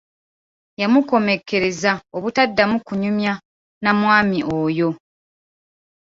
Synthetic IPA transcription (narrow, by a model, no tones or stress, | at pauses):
jamuko̞me̞kʰːe̞ɾe̞zaoβutadːamukuɲumja | namwaːmiʔoːjo̞